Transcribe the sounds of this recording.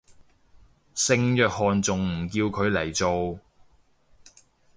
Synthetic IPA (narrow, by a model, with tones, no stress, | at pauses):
sɪ˧ŋjœː˨k̚hɔː˨nt͡sʊ˨ŋm̩˨˩kiː˧wkʰɵ˨˧ɥlɐ˨˩jt͡so˨w